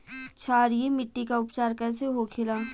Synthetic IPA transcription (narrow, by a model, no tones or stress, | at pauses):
t͡ʃʰaːɾijemɪʈːikaʊpt͡ʃaːɾkɐseɦoːkʰɪlaː